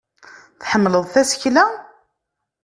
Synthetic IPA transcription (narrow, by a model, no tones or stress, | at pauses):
θħəmːləðˤθæsə̥çlæ